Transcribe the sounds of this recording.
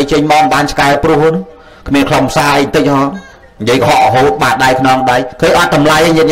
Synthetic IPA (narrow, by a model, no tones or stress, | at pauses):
jt͡ɕəɲmamɓaːnt͡ɕʰkaɛprŭəhn | kʰmiənkʰlompʰsaːʔəjnt̪ɨc̚hɑːn | nijəjkɑɦɑʔɔɦoːt̪̚ɓaːt̪̚ɗaɛjkʰnɔŋɗajkʰəːɲʔɑt̪̚ɗɑmlajəɲɨət̪̚n